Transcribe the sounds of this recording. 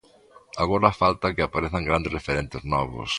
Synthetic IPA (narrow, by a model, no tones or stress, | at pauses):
aɣoɾafalt̪akɪapaɾeθaŋɡɾand̪ezrefeɾent̪ɪznɔβʊ̰s